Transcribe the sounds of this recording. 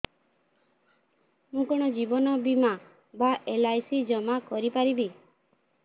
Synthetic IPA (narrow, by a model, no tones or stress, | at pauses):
mũkɔɽ̃ɔd͡ʒibɔnɔbima | baʔelajsid͡ʒɔmakɔɾipaɾibi